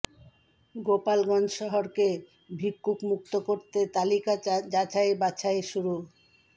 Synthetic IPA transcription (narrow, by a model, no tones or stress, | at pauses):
ɡopalɡɔnd͡ʑʃɔɦoɾke | bʱikːukmuk̚t̪okoɾt̪et̪alikad͡ʑat͡ɕaebat͡ɕʰaeʃuɾu